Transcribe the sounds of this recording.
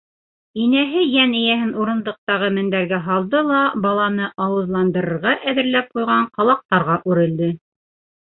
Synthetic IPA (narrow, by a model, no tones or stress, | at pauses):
inæɦɘjænɘ̆jæɦɘnuɾɤ̆nd̪ɤ̆q̚t̪ɑʁɤmɘ̆nd̪æɾɡæɦɑlˠd̪ɤlˠɑbɑlˠɑnɤʔɑwɤ̆ðlˠɑnd̪ɤ̆ɾɤ̆ɾʁɑʔæðɘ̆ɾlæp̚qujʁɑɴqɑlˠɑq̚t̪ɑɾʁɑʔʉɾɘ̆ld̪ɘ